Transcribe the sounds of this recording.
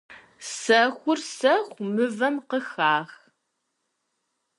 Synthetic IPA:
sɐxʷʊrsɐxʷmɨvɐmqəxaːx

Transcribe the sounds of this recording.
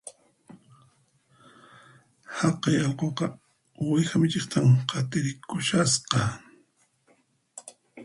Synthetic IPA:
hɑqɑjɑlqoqɑ | wajxamɪt͡ʃɪχt̪ʰamqʰɑt̪ɪɾɪkʊʃasqɑ

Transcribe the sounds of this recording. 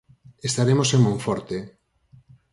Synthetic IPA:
est̪aɾemoseŋmõɱfɔɾt̪e

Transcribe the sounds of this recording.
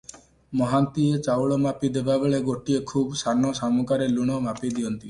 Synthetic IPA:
mɔɦant̪iet͡ʃawɭɔmapid̪ebabeɭeɡoʈiekʰuːbsanɔsamukaɾeluɽ̃ɔmapid̪iɔnt̪i

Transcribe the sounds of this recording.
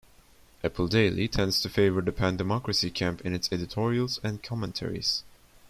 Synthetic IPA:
ʔɛpʰl̩ˠdeɪlˠḭtʰɛ̃ndz̥tʰɨfeɪvə˞ðɨpʰæ̃ndɨmɑkɹɨsikʰæ̃mpɨ̃nɨtsɛɾɨtʰɔɹiəl̩ˠzɨ̃nkʰɑmə̃ntʰɛ̰ɹḭz̥

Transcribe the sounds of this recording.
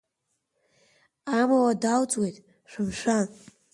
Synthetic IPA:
amawadawt͡sʼwejtʼ | ʃʷᶣɨmʃʷan

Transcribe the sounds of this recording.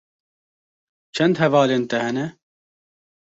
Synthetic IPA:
t͡ʃʰɛnd̪ɦɛvɑːleːnt̪ɛhɛnɛ

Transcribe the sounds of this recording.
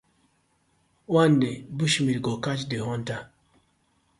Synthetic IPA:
wandebuʃmiɾɡɔkat͡ʃdehɔnta

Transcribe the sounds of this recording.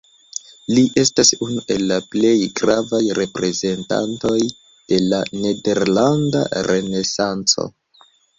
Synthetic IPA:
liʔe̞stasunuʔe̞lːaple̞jɡɾavajɾe̞pɾe̞ze̞nta̰nto̞j | d̥e̞lane̞de̞ɾlanda̰ɾe̞ne̞sant͡so̞̰

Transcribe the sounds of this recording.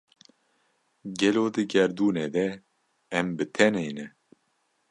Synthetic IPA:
ɡɛloːd̪ɨɡɛɾd̪uːned̪ɛː | mbɨt̪ʰɛneːnɛ

